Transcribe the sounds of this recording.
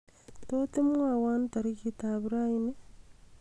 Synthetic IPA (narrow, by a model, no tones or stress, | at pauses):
totemŋwawantaɾikitaβiɾaine